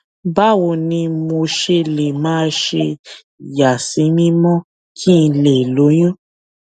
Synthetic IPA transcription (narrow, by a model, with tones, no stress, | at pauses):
ba˦˨wo˧˨nĩ˧mo˧ʃe˧le˨mãː˨˦ʃe˧ | ja˨sĩ˨˦mĩ˦mɔ̃˦ | kʰi˦i˧le˨lo˨˦j̃ũ˦